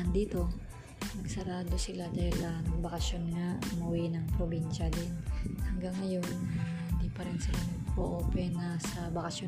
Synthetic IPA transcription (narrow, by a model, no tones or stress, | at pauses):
ɐnd̪iːt̪o̞ | mɐɡsɐɾaːd̪osɪlad̪aːhɪlʔɐbɐkɐsjonŋaʊmuwinɐŋpɾobinʃɐd̪ɪnhɐŋɡaŋːɐjo̞n | hɪnd̪ipɐɾɪnsɐlanɐɡ̚poʔoːpɛnɐsɐbɐkɐsjo